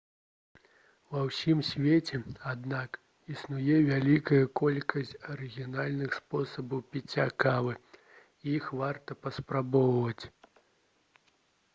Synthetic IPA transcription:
vɐwsʲimsʲvʲet͡sʲɛad̪nak | isnujɛvʲalʲikɐjɐkɔlʲkɐsʲt͡sʲɐɾɨɣʲinalʲnɨxspɔsɐbɐwpʲit͡sʲːakavɨ | ixvart̪ɐpɐspɾabɔwvɐt͡sʲ

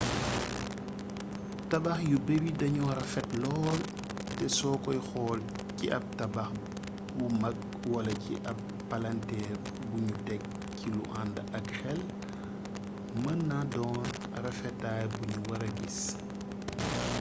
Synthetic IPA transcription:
tɐbaxjubewidɐɲɔɾɐfɛtlɔːl | tɛsɔːkɔjxɔːl | cḭʔɐp̚tɐbax | bumɐk̚ | wɐlɐcḭʔɐp̚ːɐlantɛːr | buɲutɛk̚ | cilṵʔandʔɐkxɛl | mənːadɔːn | rɐfɛtaːjbuɲuwɐɾɐɡis

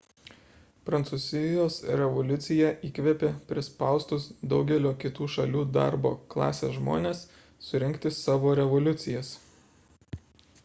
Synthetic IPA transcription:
pɾɐnt̪suːzʲɪjoːsɾʲɛʋɔlʲʊt̪sʲɪjɛʔiːkʋʲɛpʲeːpʲɾʲɪspɑˑʊst̪ʊsd̪ɒʊɡʲɛlʲoːkʲɪt̪uːʃɐlʲuːd̪ɑ̰ɾbo̰ːklˠɑ̰ːsʲḛːsʒmo̰ːnʲeːsː | ʊɾʲɪŋʲkʲt̪ʲɪsɑːʋoːɾʲɛʋɔlʲʊt̪sʲɪjɛs

